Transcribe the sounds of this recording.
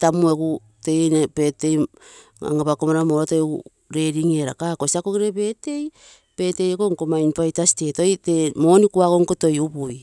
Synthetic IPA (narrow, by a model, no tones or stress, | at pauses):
tamueku | tejnepete̞j | a̰ŋapakomaɾamoɾatoeu | ɾe̞ɾiŋeɾa̰kakosiakokiɾebe̞te̞j | pe̞te̞jekoŋkomainpajtastetojtemonikuakoŋkoto̞jubuj